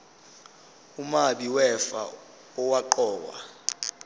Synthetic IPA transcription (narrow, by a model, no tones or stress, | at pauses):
umaɓiwɛfa̰ | ɔwaǃɔːwa̰